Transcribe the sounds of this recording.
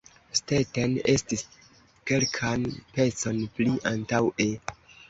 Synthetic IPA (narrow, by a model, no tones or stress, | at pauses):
stetene̞stis | ke̞lkʰanpe̞t͡so̞npliʔantawʔe